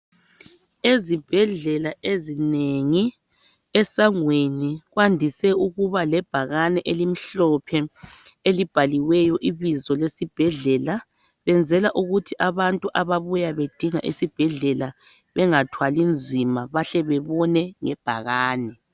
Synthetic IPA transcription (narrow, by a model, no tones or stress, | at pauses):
ezib̥ʱɛɮɛlaʔezineŋi | ɛsaŋweniɣwandʱisɛuɣuβalɛb̥ʱaɣanɛʔelimiɬɔpʰɛelib̥ʱaliwɛjɔʔiβizɔlesib̥ʱɛɮɛla | βɛnd͡zʱɛlaʔuɣutʰiʔaβantʼuʔaβaβujaβed̥ʱiŋa̰ʔisib̥ʱɛɮɛla | βɛŋatʰwalind͡zʱimaβaɬɛβɛβɔnɛŋɛb̥ʱa̰ɣaːnɛ